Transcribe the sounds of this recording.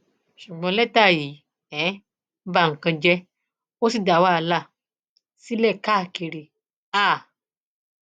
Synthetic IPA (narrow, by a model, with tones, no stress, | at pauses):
ʃu˨ɡ͡bɔ̃˧˦lɛ˦ta˦˨jiː˨˦ | ɛ̃˨˦ | ba˦ŋ̩˨kã˧d͡ʒɛ˦ | o˦si˦˨da˨wa˦a˧la˦˨ | si˦lɛ˦˨ka˦˨ki˧˨ɾi˨ | a˦˨